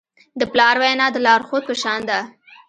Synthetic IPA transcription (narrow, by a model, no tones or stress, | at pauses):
d̪əplɑɾwajnɑd̪əlɑɾxod̪̚pəʃɑnd̪a